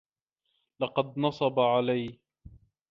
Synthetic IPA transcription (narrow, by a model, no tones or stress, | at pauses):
lɑqɑd̪̚nɑsˤɑbaʕalaj